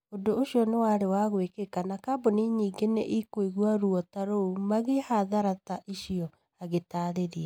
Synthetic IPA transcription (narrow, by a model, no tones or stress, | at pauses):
odooɕiɔnewaːɾewaɣwekekanakaboniɲiːɡenḛʔikoiɣwaɾuɔtaɾoumaɣehaðaɾataʔiʃiɔ | aɣetaːɾeɾia